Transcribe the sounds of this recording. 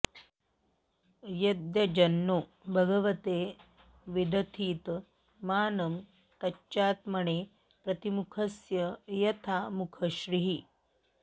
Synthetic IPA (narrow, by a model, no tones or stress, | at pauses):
jɐd̪jɐd͡ʒɐnːoːbʱɐɡɐʋɐt̪eː | ʋid̪ʱɐt̪ʰiːt̪ | maːnɐm | t̪ɐt͡ʃaːt̪mɐɳe | pɾɐt̪imukʰɐsjɐjɐt̪ʰamukʰɐɕɾiɦi